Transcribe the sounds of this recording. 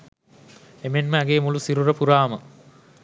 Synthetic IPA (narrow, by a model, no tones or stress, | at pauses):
emenməɐɡeːmulusiɾurəpuɾaːmə